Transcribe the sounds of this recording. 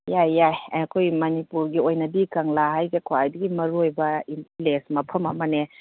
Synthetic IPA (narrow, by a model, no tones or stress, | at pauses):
jajːajaɐkʰojmɐnipuɾɡiojnɐdikaŋlaɦajɡekʰoajdɐɡimɐɾuojbɐimplesmɐpʰɐmɐmɐne